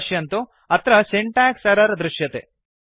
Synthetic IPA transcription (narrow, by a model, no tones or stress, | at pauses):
ʃjɐɐnt̪u | ɐt̪ɾɐseɳʈaːksɐɾɐɾd̪ɾuʃjɐt̪ḛ